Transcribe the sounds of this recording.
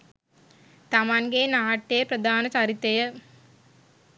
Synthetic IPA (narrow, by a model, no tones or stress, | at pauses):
t̪amanɡeːnaːʈːejprəd̪ʱaːnət͡ɕaɾit̪ːejə